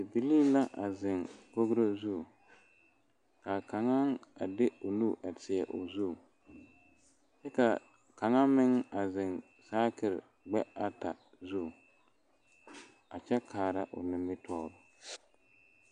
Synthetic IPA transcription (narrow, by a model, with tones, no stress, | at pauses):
dɪ˨bi˨liː˦la˦ʔa˨zɪ˨ŋko˦ɣɾo˦zu˦˨ | ka˨ka˨ŋa˦ŋa̰˨dɪ˦ʊ˨nu˦˨ʔa˨tʰɪ˨ɛ˨ʔʊ̰˨zu˦˨ | t͡ʃɛ˦ka˨ | ka˨ŋa˦mɪ˦ŋa˨zɪ˨ŋ | saː˦kɪ˨ɾ | ɡ͡bɛ˦a˨ta̰˨ | zu˦˨ | a˨t͡ʃɛ˦kʰaː˨ɾa˦ʔʊ̰˨nɪ˨mɪ˦tʰɔː˦ɾʊ˨